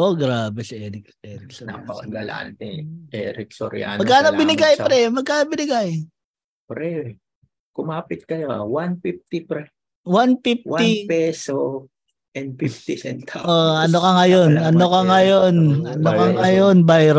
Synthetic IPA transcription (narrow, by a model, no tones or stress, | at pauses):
ʔoɡɾaːbɛsiʔɛɾɪk̚ | ɛɾɪksonɐ̰pɐɐɡɐla̰nt̪ɛʔɛ̰ɾɪk̚so̰ɾɪ̰a̰nmɐɡkːaːnobɪnɪɡajɾɛmɐɡ̚kaːnobɪnɪɡaj | pɾɛ | kʊmaːpɪt̪̚kɐjoa̰wanfif̚t̪ɪpɾɛ | wanfif̚waɪpɛso | ʔɛnd̪̚fif̚t̪ɪsɛnt̪ʰaʔoɐnokɐŋɐjo̞nʔɐnokɐŋɐjonɐnokɐŋʔɐjonbajɾ